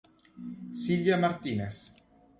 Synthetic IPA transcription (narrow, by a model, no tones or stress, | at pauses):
silvjamaɾt̪iːnes